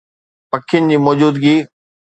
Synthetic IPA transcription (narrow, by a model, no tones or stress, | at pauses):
pɐkʰɪjʊnɪ̆d͡ʑiːmɔːd͡ʑuːd̪ɡiː